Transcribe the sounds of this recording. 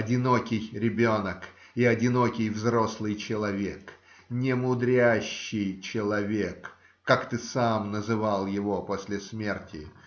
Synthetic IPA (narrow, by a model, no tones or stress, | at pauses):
ɐdʲɪno̞kʲɪjɾʲɪbʲo̞nək | ɪɐdʲɪno̞kʲɪjvzɾo̞slˠɨjt͡ɕɪlˠɐvʲek | nʲɪmʊd̪ɾʲæɕːɪjt͡ɕɪlˠɐvʲekː | akt̪ɨsamnəzɨvalˠjɪvo̞posʲlʲɪsmʲe̞rtʲɪ